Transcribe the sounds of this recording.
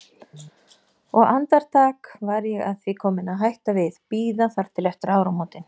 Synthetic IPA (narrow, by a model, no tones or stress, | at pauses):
ɔɣant̪aɾ̥t̪ʰaːkvaɾjɛɣaðθvikʰɔːmɪnaɦajht̪avɪðpiːðafaɾ̥t̪ʰɪlɛft̪ʏɾaːwɾamoːwt̪ɪn